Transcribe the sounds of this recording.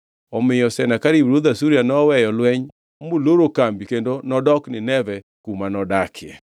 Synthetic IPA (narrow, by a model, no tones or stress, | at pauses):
ɔmɪjɔsɛnakaɾiwɾoðasuɾianɔwɛjɔlwɛɲ | moloɾokambikendonɔdɔknɪnɛvɛ | kumanɔdakʰɪɛ̰